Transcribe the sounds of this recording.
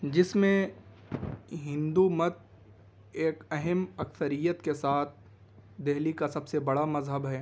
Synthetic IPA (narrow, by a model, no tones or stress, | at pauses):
d͡ʒɪsmẽ | ɦɪ̃nd̪umɐt̪̚ | eːkɛɦɛmɐksəɾijət̪kesaːt̪̚ʰ | d̪eɦlikasɐbsebɐɽamɐzɦəbɦɛː